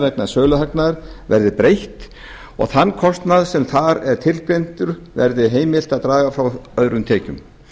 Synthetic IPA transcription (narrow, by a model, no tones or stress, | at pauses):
ɾɛknaðsœːlʏɦaknaɾ̥vɛɾðɪpɾejht̪ | ɔ̰ɣθanːkʰɔst̪naðsɛmθaɾɛɾ̥t̪ʰɪlpɾejn̥t̪ʏɾ̥vɛ̰ɾðɪɦeːjmɪl̥t̪aðt̪ɾaːɣafɾawœðɾʏnt̪ʰeːcʏm